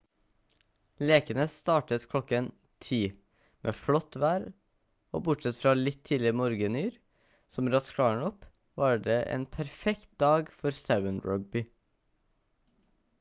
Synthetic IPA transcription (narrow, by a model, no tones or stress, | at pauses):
leːkənəst̪ɑːʈət̪kʰlɔkən | t̪ʰiː | mʔḛːflɔt̪ʋæːɾ | o̰ːbʊʈsɛt̪fɾɑːlɪt̪ʰːiːlɪmɔɾɡənyːɾ | sɔmɾɑskʰɽɑːɳɔp | ʋɑːɖeːʔḛːnpʰæɾfɛkt̪̚d̪ɑːɡfɔɾsæʋənɹœɡ̚bɪ